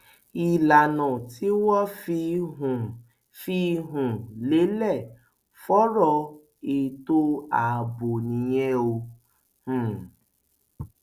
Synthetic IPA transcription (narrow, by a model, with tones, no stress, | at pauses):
i˨la˨nɔ̃˨tʰi˨˦wɔ˦fi˧ɦ | fi˧˦ɦũ˨le˨˦lɛ˦˨ | fɔ˦ɾɔ˧ | e˨to˦a˨bo˨nĩ˨˦jɛ̃˦o˧ | h̩˦˨